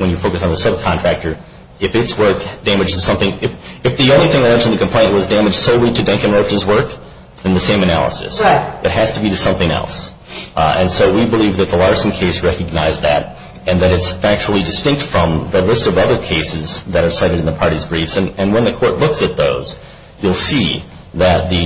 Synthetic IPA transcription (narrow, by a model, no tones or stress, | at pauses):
wə̃njɨfoʊkɨsn̩ðəsʌb̚kʰɑ̃ntʰɹ̥æk̚tə˞ | ɨfɨtswɜ˞kd̥æmɨd͡ʒɨz̥sʌ̃mθɪ̃ŋɪfɨfðiõʊ̃nliθɪ̃ŋaɪlɜ̃nʃn̩ðɨkm̩pʰl̥ẽɪ̃nʔ̚wʌzdæmɨd̥ʒ̥soʊlitʰɨdɛ̃ŋkɨ̃nɹoʊt͡ʃɨzwɜ˞k | ðɨ̃nðɨsẽɪ̃mɨnæ̰lˠə̰sɨ̰sðɨt̚ɦæz̥tɨbiɾɨsʌ̃mθɪ̃ŋɛ̰lˠs | ɨ̰̃nsoʊwibəlivðɨt̪̚ðəlɑɹsn̩kʰeɪsɹɛkɨɡ̚naɪzðɨ̰ɾ | ɨ̃nðɨɾɨtsfæk̚t͡ʃul̩ˠidɨstɪ̃ŋk̚tfɹʌ̃mðəlɪstʌvʌðə˞kʰeɪsɨzðɨɾə˞saɪɾɨɾn̩ðɨpʰɑɹɾizbɹifsɨ̃nɨ̃nwə̃nðɨkʰɔɹtˡlʊksɨt̪̚ðoʊz̥ | julˠsi | ðɨt̪̚ðɨ